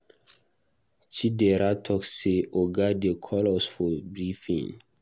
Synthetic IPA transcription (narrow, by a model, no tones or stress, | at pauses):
t͡ʃideɾatʰɔkseʔoɡadekʰɔlɔsfɔbɾifḭ̃ŋ